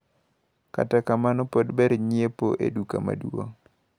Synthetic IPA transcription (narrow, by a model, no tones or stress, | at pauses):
ka̰takamanɔpodbɛɾɲiepoʔḛdukama̰dwo̰ŋ